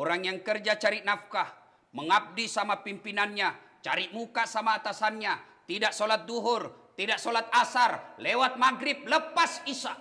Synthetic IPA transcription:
oɾaŋjaŋkərd͡ʒat͡ʃaɾinafkah | məŋap̚disamapimpinanɲa | t͡ʃaɾiʔmukasamaːt̪asanɲat̪idaʔsolat̪̚duɦʊrt̪idaʔsolat̪̚asarlewat̪̚maɡɾip̚ləpasisa

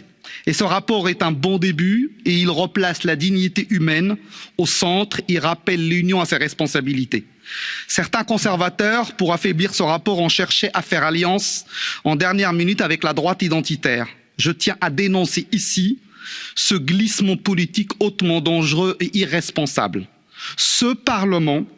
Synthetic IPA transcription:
esəʁapɔʁɛt̪ɛ̃bɔ̃d̪ebyeilʁəplaslad̪iɲit̪eʔymɛnosɑ̃t̪χeʁapɛlːynjɔ̃aseʁɛspɔ̃sabilit̪e | sɛʁt̪ɛ̃kɔ̃sɛʁvat̪œʁpuʁafɛbliʁsəʁapɔʁɑ̃ʃɛʁʃeʔafɛʁaljɑ̃sɑ̃d̪ɛʁnjɛʁminyt̪avɛklad̪ʁwat̪id̪ɑ̃t̪it̪ɛːʁ | ʒət̪jɛ̃ʔad̪enɔ̃seʔisi | səɡlismɑ̃pɔlit̪ikot̪mɑ̃d̪ɑ̃ʒʁøʔeʔiʁɛspɔ̃sa̰bl | səpaʁləmɑ̃

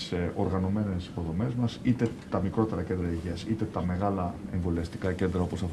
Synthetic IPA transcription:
so̞ɾɣɐno̞me̞ne̞si̥po̞ðo̞me̞zmɐsit̪e̞t̪ɐmikɾo̞t̪e̞ɾɐce̞nd̪ɾɐiʝiɐsit̪e̞t̪ɐme̞ɣɐlɐeɱvo̞liɐst̪i̥kɐce̞nd̪ɾɐo̞po̞sɐf

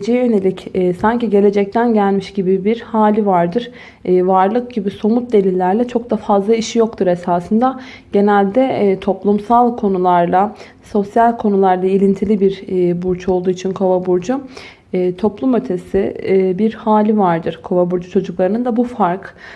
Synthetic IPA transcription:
d͡ʒejɛjøne̞lʲicɛsaɲciɟe̞lʲe̞d͡ʒɛc̚t̪ʰænɟælʲmiʃɟibibiɾhaːlʲivaɾd̪ɯɾː | vaɾlˠɯk̚ɟibiso̞mut̪̚d̪e̞lʲilʲːæɾlʲɛt͡ʃʰo̞k̚d̪afazlˠaiʃijo̞kt̪ʰuɾe̞saːsɯnd̪a | ɟ̥e̞nælʲd̪ɛt̪ʰo̞plˠumsalˠkʰo̞nulˠaɾlˠa | so̞sjalʲkʰo̞nulˠaɾlˠailʲint̪ʰilʲibiɾbuɾd͡ʒʰo̞lˠd̪uːit͡ʃʰinkʰovabuɾd͡ʒuː | t̪ʰo̞plˠumø̞t̪ʰe̞sɪbiɾhaːlʲivaɾd̪ɯɾkʰo̞vabuɾd͡ʒut͡ʃʰo̞d͡ʒuklˠaɾɯnɯnd̪abufaɾk

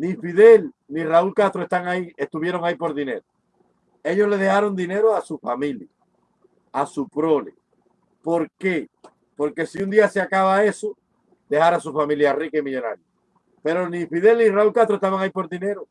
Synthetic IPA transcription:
nifiðe̞lniraulkast̪ɾoe̞st̪aŋaie̞st̪uβ̞je̞ɾo̞ŋaipo̞ɾðine̞̰ɾo | e̞ʎo̞zle̞ðe̞haɾo̞nd̪ine̞ɾoasufamĩlja | asupɾo̞lḛ | po̞ɾke̞ | po̞ɾke̞siund̪iaseakaβae̞su | d̪e̞haɾas̬ufamĩljarikemiʎo̞na̰ɾja | pe̞ɾo̞nifiðe̞lniraulkaht̪ɾoest̪aβaŋaipo̞ɾðine̞ɾo

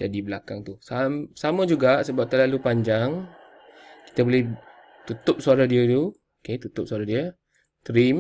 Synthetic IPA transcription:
d͡ʒadibəlakaŋt̪usasamə̃d͡ʒuɡaʔsəbap̚t̪ərlalupaɲd͡ʒaŋ | ki̥t̪əbolɛh | t̪ut̪ʊp̚soaɾadiət̪u | oket̪ut̪ʊp̚suaɾadiə | t̪ɾim

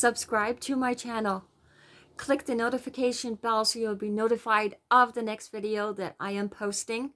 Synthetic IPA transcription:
sʌb̥skɹaɪb̚tʰɨmaɪt͡ʃʰænl̩ˠ | kʰl̥ɪk̚ðɨnoʊɾɨfɨkʰeɪʃɨ̃nbɛlˠsiwəlˠbinoʊɾɨfaɪɾʌvðɨnɛkstv̥ɪɾioʊðɨɾa̰ɪɨ̃mpʰoʊstɪ̃ŋ

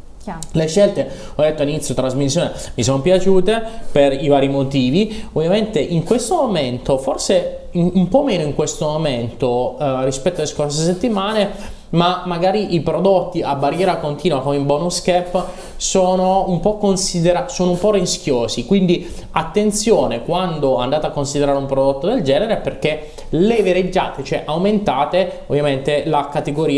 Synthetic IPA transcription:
leʃːɛlt̪e | ɔd̪ːet̪ːoalinit̪sjot̪ɾazmis̬ːjoːnemis̬onopjat͡ʃuːt̪eperivaːɾimot̪iːviovjament̪eʔiŋkwest̪omoment̪oforse | umpɔmeːnoiŋkwest̪omoment̪orispɛt̪ːoaleskorseset̪ːimaːne | mamːaɡaːɾiʔipɾod̪ot̪ːiabːaɾjɛːɾakont̪iːnwakomeimbonuskɛpː | soːnoumpɔkːonsid̪eɾasoːnoumpɔrisk̟joːsikwind̪iat̪ːent̪sjoːnekwand̪oand̪aːt̪eakːonsid̪eɾaːɾeumpɾod̪ot̪ːod̪eld͡ʒɛːneɾeperk̟e | leveɾed͡ʒːa̰ːt̪et͡ʃoɛʔawment̪aːt̪eovːjament̪elakat̪eɡoɾiː

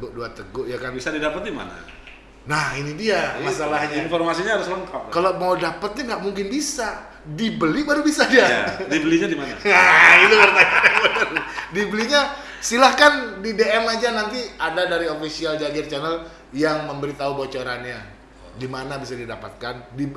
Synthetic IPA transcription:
ɡduat̪əɡʊʔjakanbisadidapət̪̚dima̰na̰ | nahinidiamasalahɲainformasiɲaaɾʊsləŋkap̚kalomaudapət̪̚ɲaŋɡaʔmuŋkɪnbisa | dibəlibaɾubisadiaadibəliɲadimanaait̪upərt̪aaəəldibəliɲa | silahkandideɛmad͡ʒanant̪iadadaɾiofisiald͡ʒad͡ʒɪrt͡ʃanəl | jaŋməmbəɾit̪aubot͡ʃoɾanɲa | dimanabisadidapa̰t̪̚kandi

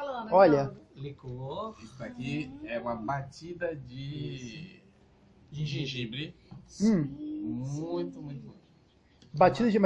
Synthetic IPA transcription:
ɔʎɐlikoisd̪akiɛũmɐbat͡ʃid̪ɐd͡ʒɪ | d͡ʒĩʒĩʒibɾɪ̃ | mmũj̃t̪ʊmũj̃t̪ʊmũt̪ | bat͡ʃid̪ɐd͡ʒɪma

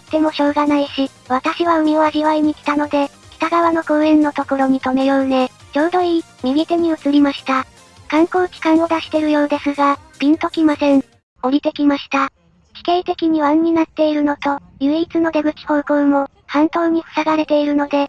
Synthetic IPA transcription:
t̪ːe̞mo̞ɕo̞ːɡanaiɕi | β̞at̪aɕiβaɯ̟mʲiβaʑiβaiɲ̟ikʲi̥t̪ano̞d̪e̞ | kʲi̥t̪aɡaβano̞koːẽ̞nːo̞t̪o̞ko̞ɾo̞ɲ̟it̪o̞me̞jo̞ɯne̞ | d͡ʑo̞ːɾo̞i | mʲiɡʲit̪eɲ̟iɯ̟t͡sɨɾʲimaɕi̥t̪a | kãŋko̞ːkʲi̥kãɰ̃o̞d̪aɕi̥t̪e̞ɾɯ̟jo̞ːd̪e̞sɨɡab̥ʲĩnt̪o̞kʲimasẽ̞ɴ | o̞ɾʲit̪e̞kʲimaɕi̥t̪a | kʲi̥keit̪e̞kʲiɲ̟iβãɲ̟ɲːinat̪ːe̞iɾɯ̟no̞t̪o̞jɯ̟ːit͡sɨno̞d̪e̞ɡɯ̟kʲi̥ho̞ːkoɯ̟mo̞ | hãnt̪o̞ːɲ̟iɸɯ̟̥saɡaɾe̞t̪e̞iɾɯ̟no̞d̪e̞

